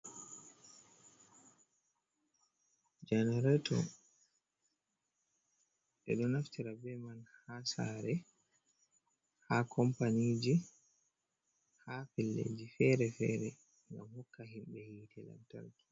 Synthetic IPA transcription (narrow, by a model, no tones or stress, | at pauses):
d͡ʒanaɾɛtɔ | ɗɛ̰ɗɔnaftiɾabɛmanhasaɾɛ | hakʰɔmpaniːd͡ʒi | hafɛlːḛd͡ʒifɛɾɛfɛːɾɛ | ŋɡamhɔkːaɦimɓɛhiːtʰɛla̰mta̰ɾki̥